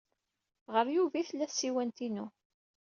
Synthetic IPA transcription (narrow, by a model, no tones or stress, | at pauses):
ʁəɾjuvæθəlːæθsiwænt̪inu